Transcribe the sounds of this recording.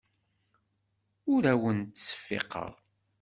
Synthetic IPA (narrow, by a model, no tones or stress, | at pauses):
ʊɾæwənt̪sə̥fːḛqə̰ʁ